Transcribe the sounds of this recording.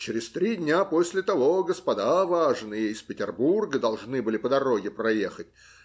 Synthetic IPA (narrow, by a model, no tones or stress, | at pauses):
t͡ɕɪɾʲɪst̪ɾʲidʲnʲapo̞sʲlʲɪt̪ɐvo̞ɡəspɐd̪avaʐɨnɨjejspʲɪtʲɪrburɡəd̪ɐlˠʐnɨbɨlʲɪpəd̪ɐɾo̞ɡʲɪpɾɐje̞xətʲ